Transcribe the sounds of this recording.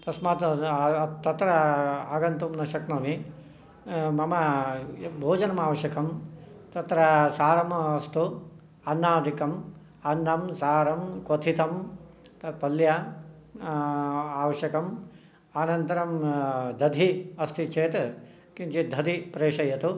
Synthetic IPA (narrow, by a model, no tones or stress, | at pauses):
t̪ɐsmaːt̪ | t̪ɐt̪ɾɐaːɡɐnt̪umnɐʃɐknɐmi | mɐmɐ | bʱoːd͡ʒɐnɐmaːʋɐʃjɐkɐm | t̪ɐt̪ɾɐsaːɾɐmɐst̪u | ɐnːaːd̪ikɐm | ɐnːɐmsaːɾɐmkʋɐt̪ʰit̪ɐm | t̪ɐpɐljɐ | aːʋɐʃjɐkɐm | aːnɐnt̪ɐɾɐmd̪ʱɐd̪ʱiɐst̪ʰit͡ʃʰeːt̪ | kint͡ʃid̪ʱɐd̪ipɾeːʂɐjɐt̪u